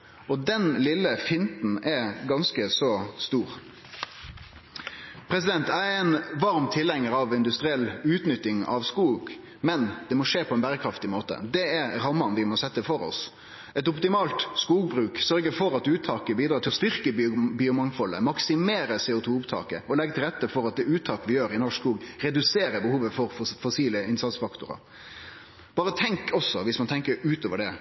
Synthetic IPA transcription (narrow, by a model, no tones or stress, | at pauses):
ɔd̪ɛnlɪlːəfɪnt̪n̩ɛɡɑnskəsɔst̪uːɾ | pʰɾɛsɪd̪ɛnt̪æɾɛɪnʋɑɾmt̪ʰɪlɛŋːəɾɑʋɪnd̪ʉst̪ɾɪɛlʉːt̪nʏt̪ːɪŋɑ̰ʋskuːɡ | mɛnd̪̥ɛmɔʂeːpʰɔɛnbæɾəkʰɾɑft̪ɪmoːt̪ə̰d̪ɛɛɾɾɑmːɑnʋɪmɔsɛt̪ːəfɔɾɔ̰s | ɛt̪ʊpt̪ɪmɑːlt̪skuːɡ̚bɾʉːksœɾɡəfɔɾɑt̪ʉːt̪ʰɑːkəbiːd̪ɾɑːt̪ɪlɔst̪ʏɾkəbiːʊmɑŋfɔlːə̰mɑksɪmeːɾəseːʊt̪ʰuːʊpt̪ʰɑ̰ːkə̰ɔlɛɡt̪ɪlɾɛt̪ːəfɔɾɑt̪̚d̪ɛʉːt̪ʰɑːkəʋɪjøːɾɪnɔʂkuːɡɾɛd̪ʉseːɾəbəhuːʋəfɔɾfɔsiːləɪnsɑt̪sfɑkt̪ʊɾɑ̰ | b̥ɑːɾət̪ʰɛŋkʰɔsːɔʋɪsmɑnt̪ʰɛŋkəɾʉːt̪oːʋəɖɛ